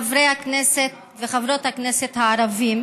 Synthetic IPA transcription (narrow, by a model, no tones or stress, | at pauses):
avɾejhakneset̪ | veχavɾo̞thakneset̪haːɾavim